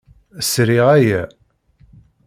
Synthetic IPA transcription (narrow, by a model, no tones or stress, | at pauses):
sɾiʁæjæ